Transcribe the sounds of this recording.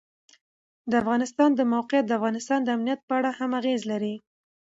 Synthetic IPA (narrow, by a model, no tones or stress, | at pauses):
d̪əafɣɑnɪst̪ɑnd̪əmawqɪjat̪̚d̪əafɣɑnɪst̪ɑnd̪əamnijat̪̚pəaɽahamaɣezlaɾi